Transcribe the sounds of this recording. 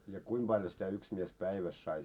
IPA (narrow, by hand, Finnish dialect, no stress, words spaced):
jɑ kuim b̥ɑljo sitæ yks mies pæiʋæs sɑi